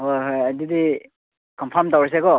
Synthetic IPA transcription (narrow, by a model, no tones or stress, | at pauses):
ojɦojajdidi | kɔmpʰaɾmtawɾis̬eɡɔ